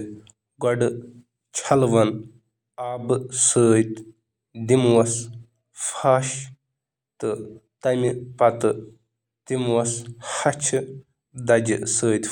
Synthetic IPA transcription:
ɡɔɖɨ | t͡ʃʰɐlʋɐn | aːbɨsəːjt̪ | d̪imwɐs | fʰaːʃ | t̪ɨt̪ɐmipɐt̪ɨ | t̪imwɐshɐt͡ʃʰɨ | d̪ɐd͡ʒɨ̰səːjt̪

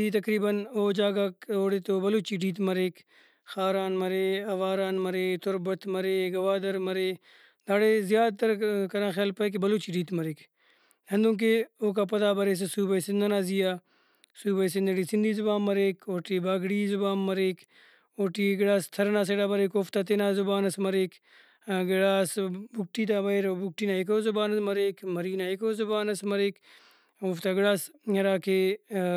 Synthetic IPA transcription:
iːt̪ɐkɾiːbənoːd͡ʒaːɡaːkoːɽet̪oːbɐluːt͡ʃiːɖiːt̪mɐɾeːk | xaːɾaːnmɐɾeːɐʋaːɾaːnmɐɾeːt̪ʊɾbət̪mɐɾeːɡɐʋaːd̪ɐɾmɐɾeː | d̪aːɽeːzjaːd̪̚t̪ɐɾkɐɾãːxjaːlpɐek̬ebɐluːt͡ʃiːɖiːt̪mɐɾeːk | ɦɐ̃nd̪ũːk̬eoːk̬aːpɐt̪aːbɐɾeːs̬esuːbəisɪnd̪ɐnaːzijaː | suːbəjsɪnd̪ɐɽisind̪ʱiːzʊbaːnmɐɾeːkoːʈibaːɡɽiːzʊbaːnmɐɾeːk | oːʈiɡɐɽaːst̪ʰɐɾnaːseɽaːbɐɾeːkoːft̪at̪̬enazʊbaːnɐsmɐɾeːk | ɡɐɽaːsbukʈiːt̪̬aːbɐiɾbuk̚ʈiːnaːekoːzʊbaːnɐmɐɾeːkmɐɾiːnaːekoːzʊbaːnɐsmɐɾeːk | oːft̪aɡɪɽaːsɐɾaːkʰe

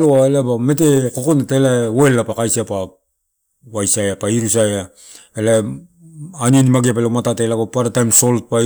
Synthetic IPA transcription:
loaelabame̞t̬eko̞konatelaoelːapakajsiapa | wajsajapaiɾusaja | ela | anienimaɡiapelamatatelaɡopaɾatajmso̞lt̚pa

